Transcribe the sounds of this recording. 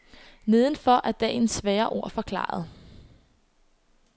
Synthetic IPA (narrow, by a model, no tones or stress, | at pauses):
ne̝ð̞ˠənfɒ̽ʔæɐd̥ɛ̰e̝nsʋɛːɐʔo̝ɐ̰fɒ̽kʰlɑ̰̈ːɐð̞̩ˠ